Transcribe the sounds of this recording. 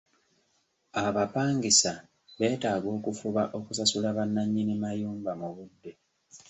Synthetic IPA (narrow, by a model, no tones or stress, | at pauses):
aβapaːŋɡisa | βe̞ːtaːɡo̞ːkufuβaʔo̞kusasulaβanːaɲːinimajuːmbamuβudːe̞